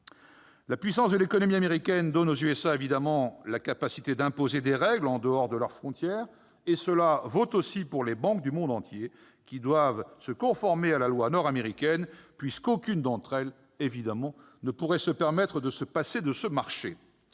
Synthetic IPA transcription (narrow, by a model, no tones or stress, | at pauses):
lapɥisɑ̃sd̪əlekɔnɔmiameʁikʲɛnd̪ɔnozyɛsaevid̪amɑ̃lakapasi̥t̪ed̪ɛ̃pozed̪eʁɛɡlɑ̃d̪əɔʁd̪əlœʁfχɔ̃t̪jɛːʁ | esəlavot̪osipuʁlebɑ̃kd̪ymɔ̃d̪ɑ̃t̪je | kʲid̪wavsəkɔ̃fɔʁmealalwanɔʁameʁikʲɛnpɥiskokʲynd̪ɑ̃t̪χɛl | evid̪amɑ̃ | nəpuʁɛsəpɛʁmɛt̪χəd̪əsəpased̪əsəmaʁʃe